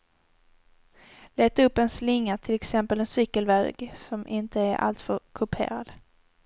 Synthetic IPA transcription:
leːt̪ːaɵpːɛnslɪŋːat̪ʰɪlɛksɛmpəlɛnsʏkːəlvɛɡsɔmʔɪnt̪əæɾʔa̰lt̪fœɾkʰɵpʰḛːɾad̪

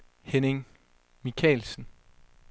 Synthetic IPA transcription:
heneŋ | mikʰɛ̰ːlsn̩

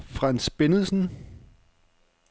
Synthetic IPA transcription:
fʁansb̥enð̩ˠsən̩

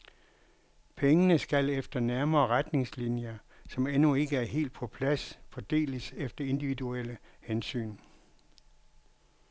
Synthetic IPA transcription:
pʰeŋənəsɡ̥ælefd̥ɐnæɐmɐːʁad̥ne̝ŋslinjɐ | sɒ̽menue̝ɡ̥əæɐɦe̝̰ːld̥̚pʰɒ̽pʰlæsfɒd̥e̝̰ːləsefd̥ɐe̝nd̥iʋiðuel̰əhensy̰ːn

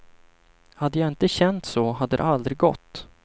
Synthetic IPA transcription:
had̪ːəjaɪnt̪əɕɛnt̪soːɦad̪ːəɾɛ̰ʔald̪ɾɪɡɔ̰t̪ː

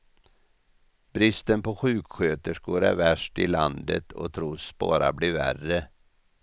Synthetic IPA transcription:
b̥ɾɪst̪ənpʰɔɧʉ̟ːkɧøːt̪əʂkuːɾæɾvæʂʈɪland̪ə̰t̪ʰɔ̰t̪ʰɾuːsb̥ɑ̰ːɾa̰blɪɾvæ̰rə

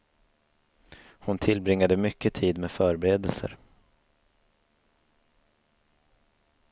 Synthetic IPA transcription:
hʊnt̪ʰɪlbɾɪŋːad̪əmʏkːət̪ʰiːd̪meːfœːɾbɛɾeːd̪əlsə̰ɾ

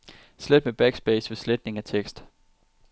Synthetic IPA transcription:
sled̥meb̥æɡ̥sb̥eɪsʋe̝sled̥ne̝ŋæt͡sʰeɡ̥sd̥

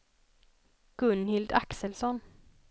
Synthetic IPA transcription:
ɡ̥ʉnhɪld̪ɑ̰ksəlsɔn

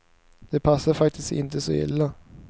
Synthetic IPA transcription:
d̪̥ɛpʰasːəɾfak̚t̪ɪskɪ̰nt̪əsɔ̰ɪ̰lːa

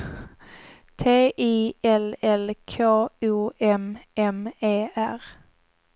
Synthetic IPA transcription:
t̪ʰeːʔiːɛlɛlkʰoːuːʔɛmɛmeːʔæʁ

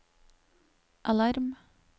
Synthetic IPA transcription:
ʔalɑɾm

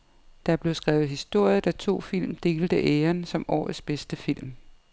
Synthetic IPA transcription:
d̥ɑb̥le̝ʊsɡ̥ʁaːʊð̩ˠhisd̥o̝ɐ̰jð̩ˠd̥æt͡sʰo̝̰ːfil̰md̥e̝ːld̥əʔeːɐnsɒ̽mɒ̰ːð̩ˠsb̥esd̥əfil̰m

